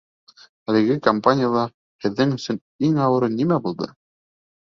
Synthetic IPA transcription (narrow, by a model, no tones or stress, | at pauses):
ælɘ̆ɡɘkɐmpanʲɪjalˠɑ | hɘ̆ðːɘŋɵ̆sɵn | iŋɑwɤ̆ɾɤnimæbulˠd̪ɤ̰